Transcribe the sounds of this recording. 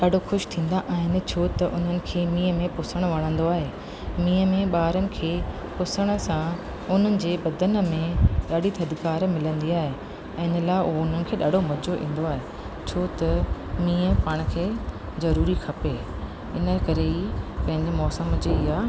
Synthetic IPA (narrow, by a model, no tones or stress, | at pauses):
ɗaːɖʱoxʊʃt̪ʰĩːn̆d̪aʔaːɦɪnɪ̆t͡ɕʰoːt̪ɐʔʊn̤ənɪ̆kʰeːmĩːəmẽpʊsəɽ̃ʋɐɽ̃ə̃nd̪oaːɦeː | mĩːəmẽɓaːɾənɪ̆kʰeː | pʊsəɽ̃ə̆sã | ʊn̤ənɪ̆d͡ʑeːbɐd̪ənmẽɗaːɖʱit̪ʰɐd̪kaːɾmɪlə̃nd̪iaːɦẽ | ɪnə̆laːɪʊoʊn̤ənɪ̆kʰeːɗaːɖʱomɐd͡ʑʱoʔḭ̃ːn̆d̪oaːɦeː | t͡ɕʰoːt̪ɐ | mĩːə̃paːɽ̃̆kʰeː | zɐɾuːɾixʰɐpe | ɪnəkɐɾeipɐ̃ɦɪ̃ɲd͡ʑɪmɔːsəmd͡ʑeːɪɦaː